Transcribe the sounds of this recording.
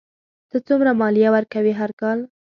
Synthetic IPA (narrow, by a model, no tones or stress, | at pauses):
t̪ət͡sumɾamɑljawəɾkawiɦaɾkɑl